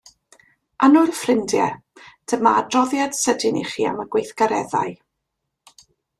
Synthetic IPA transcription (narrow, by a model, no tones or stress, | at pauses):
anʊlfrɪndjɛ̰ | d̥əmadrɔðjad̥sədɪnḭχiːa̰məɡwejθɡ̥aɾɛða̰ɨ